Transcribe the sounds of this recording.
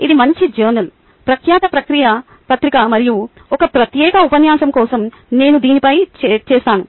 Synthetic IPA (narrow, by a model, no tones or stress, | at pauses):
id̪imɐɲt͡ʃid͡ʒɐːɾnɐl | pɾɐkʰjaːt̪ɐpɾɐkɾijɐ | pɐt̪ɾikɐmɐɾiju | ɔkɐpɾɐt̪jɛːkɐupɐnjaːsɐmkɔːsɐm | ne̞ːnud̪iːnipɐjt͡ʃt͡ʃɛːst̪aːnu